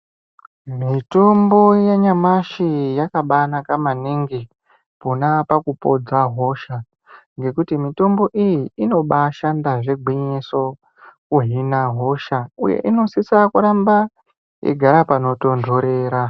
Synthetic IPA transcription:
mito̞mbo̞jaɲamaʃijakaɓanakamaniŋɡi | ponapakupo̞d͡zaɦo̞ʃa | ŋɡe̞kutimito̞mbo̞ʔijiːno̞ɓaʃandaʐe̞ɡʱiɲiso̞ | kuɦinaɦo̞ʃaujḛʔino̞sisakuɾamba | ḭɡʱaɾapano̞tondʱo̞ɾeːɾa

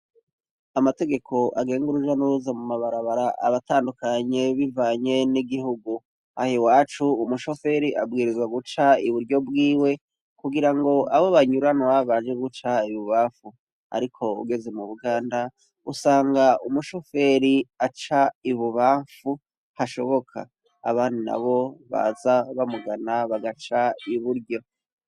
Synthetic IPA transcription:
amate̞ɡe̞kʰo̞ʔaɡe̞ːŋɡuɾuʒanuɾuzamumaβaɾaβaɾaʔa̰βataːndukaɲe̞βivaːɲe̞niɡiɦuɡu | hahiwaːt͡ʃuːmuʃo̞fe̞ɾiʔab̚ɡiːɾizwaɡut͡ʃaiβuɾɟo̞bɡiːwe̞ | kuɡiɾaŋɡo̞ʔaβoβaɲuɾanoaβaːnd͡ʒeɡut͡ʃaiβuβafu | a̰ɾikʰo̞ṵɡe̞ze̞muβuɡaːnda | ṵsaːŋɡaumuʃo̞fe̞ɾiat͡ʃaiβuβafu | haʃo̞βo̞kʰa̰ː | βaːndina̰βo̞βa̰zaβamuɡanaβaɡat͡ʃaiβuɾɟo̞

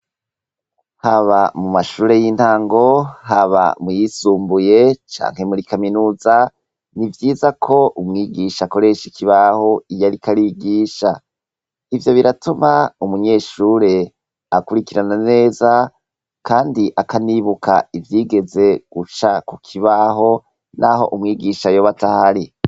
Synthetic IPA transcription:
haβamumaʃuːɾe̞jin̥taːŋɡo̞haβa̰mujisuːmbuje̞t͡ʃa̰ːŋ̥he̞muɾikaminuːza | nivjiːzakʰo̞umŋiːɡiʃako̞ɾe̞ʃikʰiβaho̞ijaɾikaɾiːɡiːʃa | ivjo̞βiɾatumaumuɲe̞ːʃuːɾe̞ | akuɾikiɾanane̞ːza | kaːndiʔakaniβukʰa̰ivjiːɡe̞ze̞ɡ̥ut͡ʃakukʰiβaɦo̞ | nʔaɦo̞̰ʔumŋiːɡiːʃajoβatahaɾi

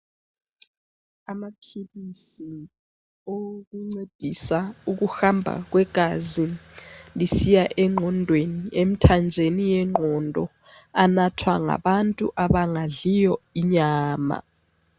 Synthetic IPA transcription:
amapʰilisi | ok̬uŋ͡ǀed̥ʱisauk̬uxambʱa̰k̬wɛɡ̥ʱazilisijaʔɛŋ͡ǃʱɔndʱweniem̩tʰand͡ʒʱenijɛŋ͡ǃʱɔndʱɔ | anatʰwaŋa̰ɓantʼṵʔaɓaŋaɮijɔiɲaːma̰

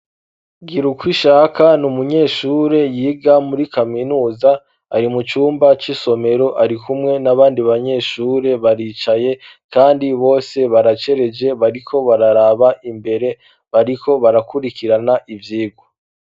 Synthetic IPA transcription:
ɡiɾukwiʃaːkʰanumuɲe̞ːʃuːɾe̞jiːɡamuɾikaminuːza | a̰ɾimut͡ʃuːmbat͡ʃiso̞me̞ɾo̞ʔaɾikumŋe̞naβaːndiβaɲe̞ːʃuːɾe̞βaɾit͡ʃaje̞ | kaːndiβo̞ːse̞βaɾat͡ʃe̞ɾe̞d͡ʒe̞βaɾikʰo̞βaɾaɾaːβaʔimbe̞ɾe̞ | βaɾikʰo̞βaɾakuɾikiɾanaʔivjiːɡo

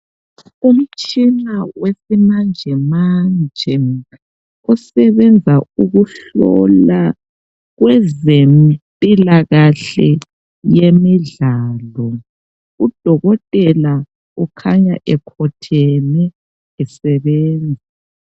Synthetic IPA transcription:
um̩t͡ʃʼinawesimand͡ʒʱɛmand͡ʒʱɛ | ɔsɛβɛnd͡zʱauɣuɬɔ̰la | ɣwɛzempʼilaɣaɬɛ | jemiɮaːlɔ | ud̥ʱɔɣɔtʼɛla | ukʰaɲaʔɛkʰɔtʰɛnɛ | ɛsɛβɛːnd͡zʱi

